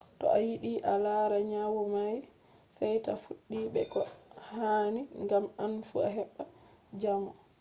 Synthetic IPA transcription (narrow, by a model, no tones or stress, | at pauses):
tɔ̰ʔajiɗiʔalaɾaɲawɔmaj | sɛjtafuɗːiːɓɛkɔhaniŋɡamanfua̰ɦɛɓːa | d͡ʒamɔ